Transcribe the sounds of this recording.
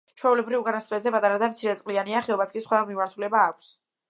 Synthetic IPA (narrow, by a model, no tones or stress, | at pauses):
t͡ʃʰwɛulɛbɾivɡanast̪mɛzɛpʼat̪ʼaɾad̪amt̪sʰiɾɛt̪sʼqʼlianiaχɛɔbaskʼisχwɛmimaɾt̪ʰulɛbaːkʷʰs